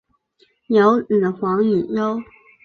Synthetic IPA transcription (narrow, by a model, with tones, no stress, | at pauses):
njo˨˧˥ʊn̩˨˩xwɑ˧˥ŋny˨˩jo˥ʊ